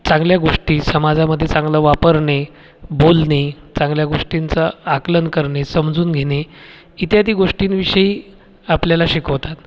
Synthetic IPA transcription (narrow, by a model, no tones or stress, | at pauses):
t͡sãŋɡljaɡoʂʈiːsəmad͡zaməd̪ʱːjet͡sãŋɡləːʋapəɾɳe | bolne | t͡sãŋɡljaɡoʂʈint͡səaklənkəɾɳesəmd͡zuːnɡʱene | it̪jat̪iːɡoʂʈiːnʋiɕəiː | apljalaɕikəʋt̪at̪